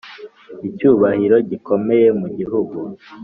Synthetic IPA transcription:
icuːβahiɾo̞ɟiko̞me̞je̞muɟiɦuɡu

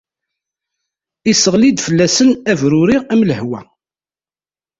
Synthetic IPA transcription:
isəʁlid̪fəlːæsənævɾʊɾiæmləhwæ̰

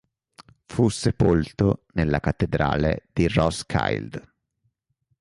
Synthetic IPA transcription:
fusːepolt̪onelːakat̪ːed̪ɾa̰ːlḛd̪̥irɔskʰa̰jld̪

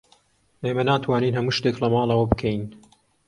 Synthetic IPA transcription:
ʔeːmɐnaːt̪ʰwaːniːnɦɐmuːʃt̪eklɐmɑːlˠɐwɐbɨkʰɛjn

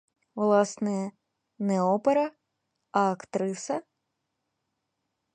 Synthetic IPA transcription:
vlˠasnɨjɐ | nɛɔpɛɾɐ | ɐkt̪ɾɨsɐ

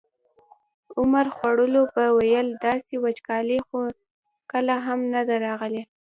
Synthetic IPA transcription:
ʊmaɾxwaɽəlobəwajəld̪ɑsewat͡ʃkɑlexo | kəlaɦamnad̪aɾɑɣəle

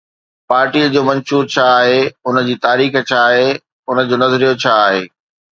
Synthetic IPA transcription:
paːɾʈiːd͡ʑoːmɐ̃nʃuːɾt͡ɕʰaːɦeʊnə̆d͡ʑiːt̪aːɾiːxt͡ɕʰaːɦe | ʊnə̆d͡ʑoːnɐzɾijot͡ɕʰaːɦeː

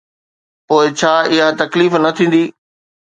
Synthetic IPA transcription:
poːɪt͡ɕʰaːɪɦat̪ɐkliːfnɐt̪ʰĩːn̆d̪iː

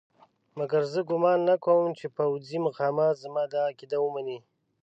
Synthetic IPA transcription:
maɡaɾzəɡʊmɑnːakʰowmt͡ʃepawd͡zimaqɑːmɑt̪zamɑd̪ɑːkid̪awumani

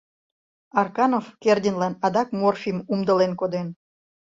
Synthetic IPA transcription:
ɑrkɑnofkerdʲinlɑnɑd̪ɑk̚morfʲimumd̪əlenkod̪en

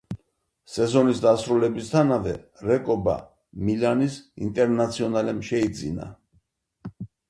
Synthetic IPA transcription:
sɛzɔnisd̪asɾulɛbist̪ʰanavɛ̰ɾɛkʼɔba̰ | milanisḭnt̪ʼɛɾnat̪sʰiɔnalɛmʃɛid̪zḭna̰

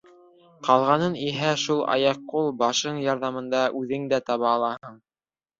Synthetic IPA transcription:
qɑlˠʁɑnɤniɦæʃulˠɑ̰jɑqːulˠbɑʃɤɴjɑɾðɑmɤ̆nd̪ɑʔʉðɘŋd̪æt̪ɑβɑːlˠɑhɤɴ

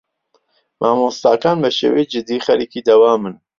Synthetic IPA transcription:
mʔaːmost̪aːkaːnbɐʃḛːwejd͡ʒɨd̪iːχɐɾikid̪ɐwaːmɨn

